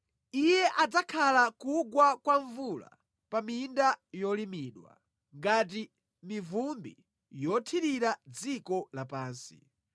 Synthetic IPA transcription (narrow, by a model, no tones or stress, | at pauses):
ijɛʔad͡zakʰalakuɡwakwaɱvula̰ | pamindajɔlimiːɗwa̰ | ŋɡat̬i | mivumbḭ | jɔtʰiɾiɾad͡zikɔlapaːnsi̥̰